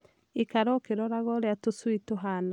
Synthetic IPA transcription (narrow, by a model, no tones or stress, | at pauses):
ekaɾɔkeɾɔɾaɣɔɾeatoswitoɦana